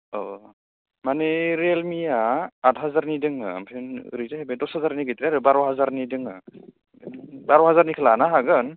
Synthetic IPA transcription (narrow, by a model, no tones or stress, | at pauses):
ɔ | maneɾelmijaatʰɦazaɾnidɯŋɯ̰mpʰenɾitaɦebedɔshazaɾniɡijtɾiaɾɯbaɾaɦazaɾnidɯŋɯ | baɾɔɦazaɾnikʰɯlanaɦaɡɯn